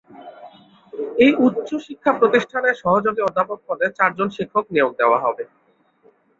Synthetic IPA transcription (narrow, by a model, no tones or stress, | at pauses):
ejʔutːɕoʃikʰːapɾot̪iʃʈʰaneɾʃɔɦod͡ʑoɡiɔd̪ʱːapot̪̚kolet͡ɕaɾd͡ʑonʃikʰːoknijoɡ̚d̪eoaɦɔbe